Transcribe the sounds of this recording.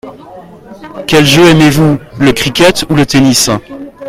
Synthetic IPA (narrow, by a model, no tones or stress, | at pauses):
kʲɛlʒøɛmevuləkχikʲɛt̪ulət̪enis